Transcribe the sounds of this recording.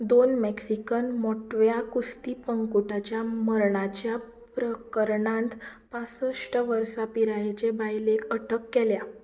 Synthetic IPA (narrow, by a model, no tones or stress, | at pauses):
d̪onmeksikənmɔʈʋjakust̪ipəŋkuʈat͡ɕjaməɾɳat͡ɕja | pɾəkəɾɳãnt̪pãsəʂʈəʋəɾsapiɾajet͡ɕebajlekəʈʰəkːɛlja